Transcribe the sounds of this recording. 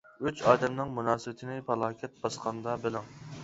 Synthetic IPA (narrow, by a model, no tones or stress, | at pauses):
yt͡ʃɑːd̪ɛmnɪŋmunɑːsɨbɪt̪ʰɪnɪpʰɑlˠɑːkʲʰɛt̪̚bɑsqʰɑnd̪ɑbɪlˠɪŋ